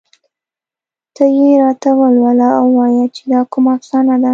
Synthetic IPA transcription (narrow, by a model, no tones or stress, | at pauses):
t̪əjeɾɑt̪awəlwalaawːɑjat͡ʃed̪ɑkumaafsɑnad̪a